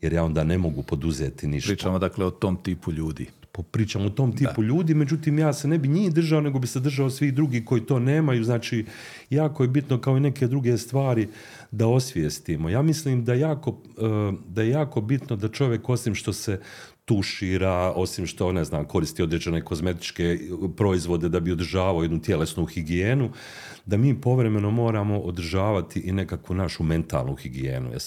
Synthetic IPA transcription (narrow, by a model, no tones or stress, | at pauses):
jeɾjaːo̞nd̪aːne̞mo̞ɡupo̞d̪uzḛːt̪inḭʃamod̪akleot̪omt̪iːpuʎuːd̪ḭː | papɾiːt͡ʃaːmoot̪o̞mt̪iːpuʎuːd̪iːme̞d͡ʒut̪iːmjaːsenebiɲiːhd̪r̩ʒaone̞ɡo̞bised̪r̩ʒaosʋid̪ɾuɡiːko̞jiːt̪o̞ːne̞ːmajuznaːt͡ʃiː | jaːkojebit̪nokao̞ineke̞d̪ɾuɡe̞st̪ʋaːɾi | d̪ao̞sʋjest̪iːmo̞jaːmisliːmd̪ajejaːko | d̪ajejaːko̞bit̪nod̪at͡ʃo̞ʋje̞ko̞simʃt̪o̞set̪uʃiːɾaːo̞simʃt̪o̞ne̞znaːmko̞ɾist̪iːo̞d̪ɾed͡ʒe̞ne̞ko̞zme̞t̪i̥t͡ʃkepɾo̞izʋo̞d̪e̞d̪abio̞d̪ɾʒaːʋaojenut̪je̞le̞snuxiɡieːnu | d̪amiːpo̞ʋɾe̞me̞no̞mo̞ːɾaːmo̞ʔod̪ɾ̩ʒaːʋat̪iʔine̞kakʋunaʃume̞nt̪a̰ːlˠnṵxiɡiḛːnṵj̰